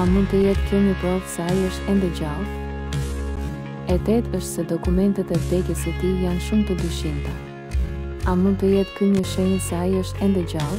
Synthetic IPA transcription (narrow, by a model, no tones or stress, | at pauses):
amund̪t̪əjɛt̪kəməpɾɔfsajəʃt̪ɛnd̪ɛd͡ʑal | ɛt̪ɛt̪əʃt̪sɛd̪ɔkumɛnt̪ɛt̪ɛvd̪ɛkəsət̪ijanʃumt̪əd̪yʃint̪a | amund̪̚t̪əjɛt̪kyɲəʃəɲəsajəʃt̪ɛnd̪ɛd͡ʑalˠ